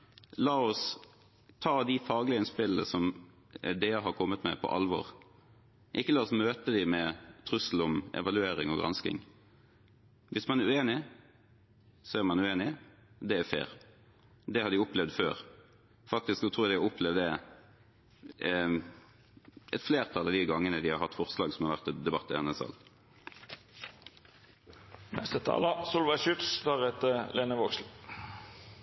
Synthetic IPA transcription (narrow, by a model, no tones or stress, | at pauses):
lɑːɔs | t̪ʰɑːd̪ɪfɑːɡlɪəɪnspɪləsɔm | d̪eːəɦɑɾkʰɔmːət̪mɛ̰pʰɔ̰ʔɑ̰lʋɔ̰ːʁ | ʔɪkːəlɑːɔsmøːt̪əd̪ɪmɛt̪ʰɾʉsl̩ɔmɛ̰ʋɑlʉeːɾɪŋɔɡɾɑ̰nskɪ̰ŋ | ʋɪsmɑnæɾʉeːnɪ | sɔæɾmɑnʉeːnɪ | d̪ɛæɾfḛːɾ | d̪ɛhɑɾd̪ɪʊplɛʋd̪føːɾ | fɑk̚t̪ɪsksɔt̪ʰɾːjd̪ɪɔʊpʰlɛʋd̪ɛ | ɛ̰t̪fleːʁt̪ʰɑlɑʋd̪ɪɡɑŋːənəd̪ɪhɑɾhɑt̪ːfɔʁslɑːɡsɔmhɑɾʋæʁt̪d̪ɛbɑt̪ːəhɛnəsɑ̰l | nɛ̰st̪ət̪ʰɑ̰ːlɑsʊlʋɑʃʉt̪st̪ʰɑːʁɛt̪əlʔeːnəʋɔksl